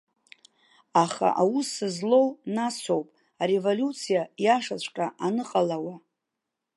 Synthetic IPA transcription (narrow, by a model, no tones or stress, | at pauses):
aχa̰ʔawusɨzlo̞wnasʰo̞wpʼ | aɾe̞voljut͡sʰijajaʂat͡ɕʷʰʼkʼaʔanɨqʼalawa